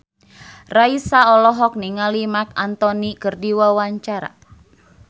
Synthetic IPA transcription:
raisaɔlɔɦɔk̚niŋalimak̚ant̪ɔnikɨrdiwawaɲt͡ʃaɾa̰

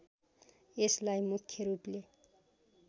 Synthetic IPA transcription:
eslajmukʰːjʌɾuple

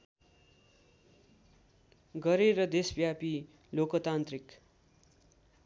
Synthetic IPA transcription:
ɡʌɾeɾʌd̪esbjapi | lokʌt̪ant̪rik

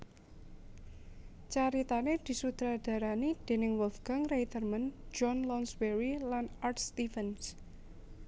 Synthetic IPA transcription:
t͡ʃaɾit̪aned̪̥i̤sut̪ɾad̥a̤ɾanid̪̥e̤nɪŋwɔlfɡaŋrejt̪ərmənd͡ʒɔnlɔnsweɾilanartst̪ifəns

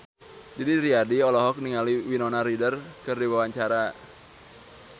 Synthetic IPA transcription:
d͡ʒidiɾiadiɔlɔɦɔk̚niŋaliwinɔnaɾidərkɨrdiwawaɲt͡ʃaɾa

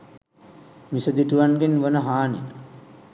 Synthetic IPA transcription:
misəd̪iʈuʋanɡenʋənəɦaːnḭ

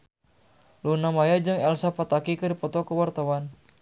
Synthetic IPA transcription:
lunamajad͡ʒɨŋɛlsapat̪akikəɾipɔt̪ɔkəwart̪awan

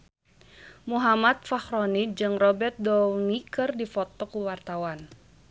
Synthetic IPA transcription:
muɦamat̪̚faxɾɔnid͡ʒɨŋrɔbɛrt̪̚dɔŋikɨrdifɔt̪ɔkuwart̪awan

